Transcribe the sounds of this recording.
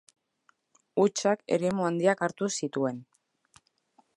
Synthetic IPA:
ut͡ʃake̞̰ɾe̞muand̪iakaɾt̪usit̪ue̞n

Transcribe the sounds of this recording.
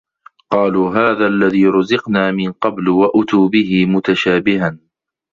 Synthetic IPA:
qɑːluːɦaːðaːʔalːaðiːɾˤʊzɪqnaːmɪnqɑblwaʔʊt̪uːbɪɦɪmʊt̪aʃaːbɪhan

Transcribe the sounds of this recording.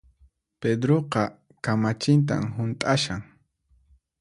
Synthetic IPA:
ped̪ɾoqɑ | kamat͡ʃɪnt̪̬a̰mɦʊnt̪ʼaʃaŋ

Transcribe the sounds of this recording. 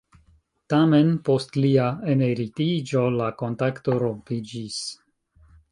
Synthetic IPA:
tamenpo̞stliaeneɾitid͡ʒo̞lako̞ntakto̞ɾompid͡ʒis

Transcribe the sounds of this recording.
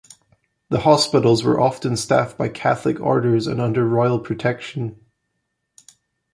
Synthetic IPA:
ðəhɔspɪʔl̩ˠzwə̰˞ʔɔftə̃nstafb̥aɪkʰæθlˠɪkʰɔ̰ɹɾə˞zə̰̃nʌ̃ndə˞ɹɔɪl̩ˠpʰɹ̥ɨtʰɛkʃə̃n

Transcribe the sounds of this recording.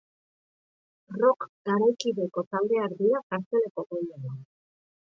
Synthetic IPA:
ro̞kɡ̥aɾajkiðe̞ko̞t̪ald̪e̞aɾd̪iɾakaɾt͡se̞le̞ko̞ɣojneβa

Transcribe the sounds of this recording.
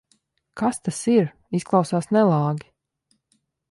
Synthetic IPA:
kast̪asiɾ | isklˠɑwsaːsnɛlˠɑːɡʲi

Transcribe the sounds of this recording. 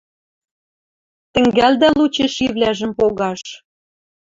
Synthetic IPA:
t̪ɘ̆ŋɡæld̪ælut͡ɕeʃiβlʲæʒə̆mpoɣɑʃ

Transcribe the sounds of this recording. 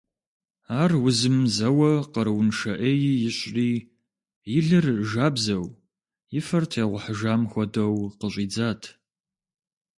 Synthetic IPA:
aːrwʊzɨmzɐwɐqəɾwʊnʂɐʔeːjiːjɪɕʼriː | jɪɮɨrʒaːbzɐw | jɪfɐrtʰeːʁʷʊħəʒaːmxʷɔdɐwqəɕʼiːd͡zaːtʰ

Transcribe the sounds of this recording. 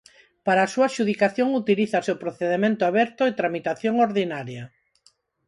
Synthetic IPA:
paɾaːsuaʃuð̞ikaθjoŋut̪iliθaseʊpɾoθeðemẽnt̪ʊaβɛɾt̪ʊet̪ɾamit̪aθjoŋoɾðinaɾjɐ

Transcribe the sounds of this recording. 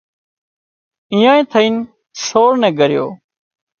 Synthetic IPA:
iːãːẽːt̪ʰəĩːn | soːɽnɛ̃ːɡəɾjo̰ː

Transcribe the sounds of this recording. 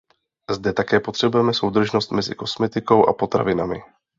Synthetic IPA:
zdɛt̪akɛːpo̞t̪r̥ɛbujɛmɛso̞wd̪r̩ʒno̞st̪mɛzɪ̰ko̞smɛt̪ɪko̞wʔa̰po̞t̪ɾa̰vɪnamɪ

